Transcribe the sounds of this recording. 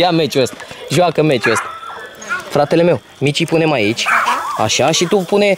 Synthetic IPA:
jame̞t͡ʃuəst̪aʒuakəme̞t͡ʃuəst̪a | fɾat̪e̞le̞me̞w | mit͡ʃipune̞mait͡ʃʲa̰ʃaʃit̪upune̞

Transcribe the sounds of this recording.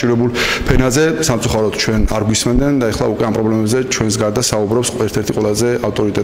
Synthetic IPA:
t͡ʃʼiɾwɛbulˠpʰɛnazɛsamt̪sʼuχaɾɔd̪̥t͡ʃʰwɛnaɾɡwismɛnd̪ɛnd̪aɛχlˠaukʼwɛampʼɾɔblɛmɛbzɛt͡ʃʰwɛns̬ɡaɾd̪asaubɾɔpsɛɾt̪ʰɛɾt̪ʰiqʼwɛlazɛaft̪ʼɔɾit̪ʼɛt̪

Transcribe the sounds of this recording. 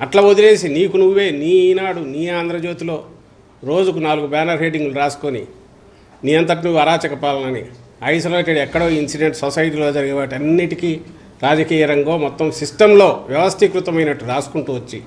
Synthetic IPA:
ɐʈlɐod̪ile̞ːsiniːkunuʋːe̞ːniːnaːɽuniːaːnd̪ɾɐd͡ʒo̞ːt̪ilo̞ː | ɾo̞ːd͡ʒukunaːluɡubaːnɐɾɦe̞ːɖiŋɡluɾaːsu̥konḭ | niːɐnt̪̬ɐʈ̬nuʋɐɾaːt͡ʃɐkɐpaːlɐnɐnḭ | ɐjsɐlɐʈɐɽiɛkːɐɽoːinsiɖeɳʈsosɐjʈ̬iːlo̞ːd͡ʒɐɾiɡiʋaːʈiɐnːiʈikiː | ɾaːd͡ʒɐkiːjɐɾɐŋɡoːmɔt̪ːɐmsisʈɐmlo̞ːʋjɛʋɐst̪ʰikɾut̪ɐmɐjnɐʈːuɾaːsu̥kuɳʈuːʋɐt͡ʃːi

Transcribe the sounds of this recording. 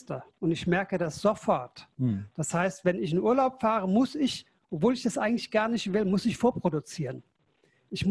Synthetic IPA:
tɐʔʊntɪçmɛɐkədasz̥ofɔɐtd̥ashaɪstv̥ɛnɪç̬ɪnʔuːɐlaʊpfaːʁəmʊsɪç | ʔɔpv̥oːlɪçdasʔaɪɡŋ̩tlɪçɡ̥aɐnɪçtv̥ɪlmʊsɪçfoːɐpʁ̥odut͡siːʁ̞ən | ʔɪçm

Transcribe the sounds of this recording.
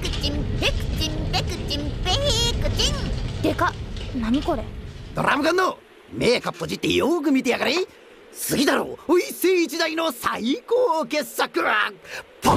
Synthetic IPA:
kɯt͡ɕimbekɯ̥t͡ɕĩmpekɯt͡ɕĩmpeikɯt͡ɕiŋt̪ekanaɲ̟iko̞ɾḛd̪o̞̰ɾʔa̰mɯɡãnːo | meːkapːod͡ʑit̪ːejoːk̬ɯ̟mʲit̪ejaɡaɾei | sɨɡʲid̪aɾo̰ːoisɯːt͡ɕid̪aino̞saikoːkesakɯ̟ɾapʰo

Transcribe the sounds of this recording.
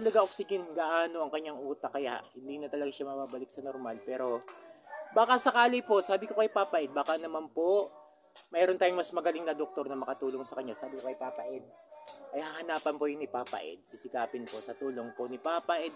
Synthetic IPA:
t̪ɐlɐɡaʔok̚sɪd͡ʒɛnɡaʔaːno̞ʔɐŋkɐɲːaŋʔuːt̪ɐkɐja̰ʔhɪnd̪inɐt̪ɐlɐɡaʃamɐbaːbɐlɪk̚sɐnoɾmalpɛːɾo̞ | baːkɐsɐkaːlɪpo̞ʔsaːbɪko̞kɐjpaːpɐʔɛd̪̚baːkanɐmanpo̞ | mɛːɾont̪aːjʊŋmɐsmɐɡɐlɪŋnɐd̪ok̚t̪o̞ɾnɐmɐkɐt̪uːlo̞ŋsɐkɐɲːasaːbɪkokɐjpaːpɐʔɛd̪̚ʔɐjhahɐnaːpɐnpojʊŋɪpaːpɐ̰ʔɛ̰d̪̚sɪsɪkaːpɪnpo̞sɐt̪uːlo̞ŋponɪpaːpɐʔɛd̪̚

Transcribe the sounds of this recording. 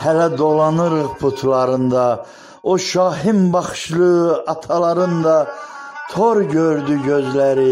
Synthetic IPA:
hælæd̪o̞lˠɑnɯɾɯʁpʰut̪ʰlˠɑɾɯnd̪ɑ | oʃɑːɦimbɑχʃlˠɯɑt̪ʰɑlˠɑɾɯnd̪ɑt̪ʰoɾɟøɾd̪yɟøzlæɾi

